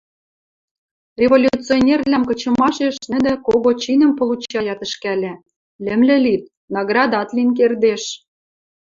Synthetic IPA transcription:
rʲevolʲutt͡sionʲerlæmkɤ̆t͡ɕɤ̆mɑʃeʃnɘ̆d̪ɘ̆koɣot͡ɕinə̆mpolut͡ɕɑjɑt̪ə̆ʃkælʲɘ̆ | lɘ̆mlɘ̆lit̪̚ | nɑɣrɑd̪ɑt̪link̬erd̪eʃ

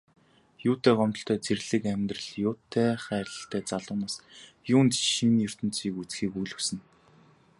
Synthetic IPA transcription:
jʊːt̪ʰeːɢɔmt̪ɞ̆ɬt̪ʰœːt͡serɮɘ̆kæmʲt̪rə̆ɮjʊːt̪ʰːeːχæːrʲɮə̆ɬt̪ʰæːt͡saɮʊːnaːs | jʊːnt̪ʃiniɵr̥t̪ɵ̆n̥t͡siːkut͡sxiːkujɮɵ̆wsɘ̆n

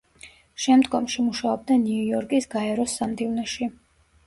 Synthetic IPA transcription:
ʃɛmd̪ɡɔmʃimuʃaɔb̚d̪aniujɔɾkʼisɡaɛɾɔsːamd̪ivnɛʃi

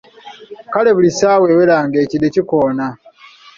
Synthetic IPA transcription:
kale̞βulisaːwe̞welaːŋɡe̞ːcideciko̞ːna

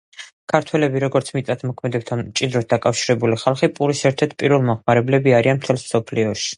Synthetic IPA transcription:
kʰaɾt̪ʰwɛlɛbiɾɔɡɔɾt̪sʰmit̪ʼat̪ʰmɔkʰmɛd̪ɛp̚t̪ʰant͡ʃʼid̪ɾɔs̚d̪akʼafʃiɾɛbuliχalˠχipʼuɾisɛɾt̪ʰɛɾt̪̚ʰpʼiɾvɛlˠmɔχmaɾɛblɛbiaɾianmt̪ʰɛlˠsm̥sɔpʰliɔʃi̥

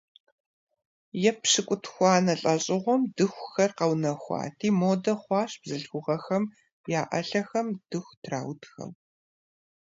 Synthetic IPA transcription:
jɛpɕɨkʷʼʊtʰxʷɑːnɐɬʼɐɕʼɪʁʷɔmdɨxʷxɐrqɐwnɐxʷɑ̰ːtʰiːmoːdɐχʷɑːɕb̥zɨɮxʷʊʁɐxɐm | jaːʔɐ̰ɬɐxɐmd̥ɨxʷtʰra̰ːwtxɐ̰w

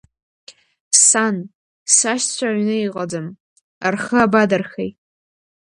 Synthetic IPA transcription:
san | saʃt͡ɕʷʰaʕʷnɨiqʼad͡zɨm | a̰rχəabadarxejt

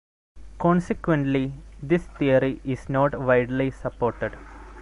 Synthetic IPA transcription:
kɔ̃ːnsikʋẽɳʈlid̪ist̪iəɾiʔɪsnɔːʈʋaɪɖlisɐpːoːɾʈeɖ

